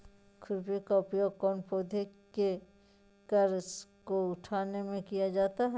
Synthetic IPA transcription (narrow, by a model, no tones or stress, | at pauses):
kʰʊɾbokaʊpijoːɡ̚kɔːnpoːd̪ʱeke | kɐɾskoʊʈʰaːnemẽkijad͡ʒaːt̪aɦɛ